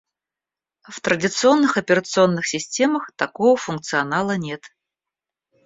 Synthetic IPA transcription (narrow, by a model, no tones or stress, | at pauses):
ft̪ɾədʲɪt̪sɨo̞nːɨxɐpʲɪɾət̪sɨo̞nːɨxsʲɪsʲtʲe̞məxt̪ɐkovəfʊnk̚t̪sɨɐnalˠənʲe̞t̪